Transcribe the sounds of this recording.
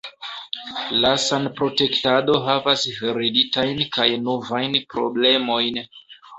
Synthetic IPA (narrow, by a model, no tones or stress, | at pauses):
lasanpɾo̞te̞ktado̞ɦavasveɾiditajnkajnovajnpɾo̞̰ble̞mo̞jn